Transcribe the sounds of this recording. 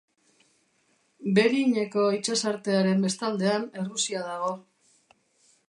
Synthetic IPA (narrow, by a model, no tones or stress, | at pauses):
be̞ɾiɲe̞ko̞it͡ʃesaɾt̪e̞aɾe̞mbe̞st̪ald̪e̞ane̞rusiaðaɣ̞o̞